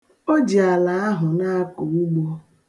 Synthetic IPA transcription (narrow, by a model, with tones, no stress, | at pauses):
o˦d͡ʒi˨a˨la˨a˦ɦʊ˨na˦a˦kʊ˨u˦ɡ͡bɔ˦